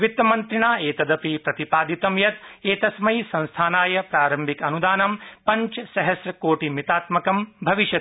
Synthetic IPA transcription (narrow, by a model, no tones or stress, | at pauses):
ʋit̪ːɐmɐnt̪ɾiɳaːeːt̪ɐd̪ɐpipɾɐt̪ipaːd̪it̪ɐmjɐt̪eːt̪ɐsmɐjsɐ̃ñst̪ʰaːnaːjɐpɾaːɾɐmbʱikɐnud̪aːnɐmpɐɲt͡ʃsɐɦɐsɾɐkoːʈimit̪aːt̪mɐkɐmbʱɐʋiʃjɐt̪